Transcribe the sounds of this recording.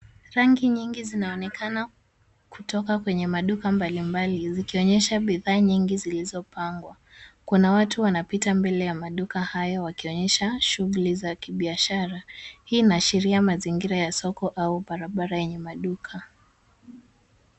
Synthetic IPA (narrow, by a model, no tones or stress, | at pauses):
ɾaŋɡiɲiŋɡizinaɔnɛkʰana | kutɔkakwɛɲɛmaɗukambalimbalizikiɔɲɛʃaɓiðaːɲiŋɡizilizɔpaŋɡwa | kunawatuwanapitambɛlɛjamaɗukahajɔwakiɔɲɛʃaʃuɣulizakiɓiaʃaɾahiːnaʃiɾiamaziŋɡiɾajasɔkɔʔauɓaɾaɓaɾajɛɲɛmaɗukʰa